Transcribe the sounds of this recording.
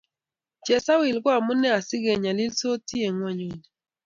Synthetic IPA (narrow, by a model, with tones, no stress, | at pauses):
t͡ʃɛ˨sa˦wi˨lɡwa˦˨mʊ˦nɛ˦a˨sɪ˦ɡe˨ɲa˨lɪ˦lso˦ti˦e˨ŋwa˦ɲwi˨n